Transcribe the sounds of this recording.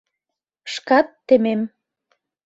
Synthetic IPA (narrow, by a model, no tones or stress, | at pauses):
ʃkɑt̪ːemem